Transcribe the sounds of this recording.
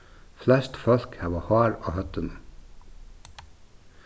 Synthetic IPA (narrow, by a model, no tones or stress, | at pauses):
flɛst̪fœlkhæːʋoːhɑːɹo̰ːhœt̪ən